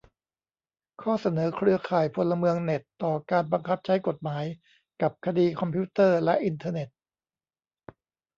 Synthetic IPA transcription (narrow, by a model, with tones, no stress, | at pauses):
kʰɔː˥˩sa˧nɤː˩˦kʰɾɯ˧ɐkʰaː˨˩jpʰo˧lːa˧mɯ˧əŋne˨˩t̪ːɔː˨˩kaː˧nba˧ŋkʰa˦˥p̚t͡ɕʰa˦˥jko˨˩t̪̚maː˩˦j | ka˨˩p̚kʰa˧diː˧kʰɔ˧mpʰuː˦˥t̪ɤː˥˩lɛ˦˥ʔi˧nt̪ʰɤː˧ne˨˩t̪̚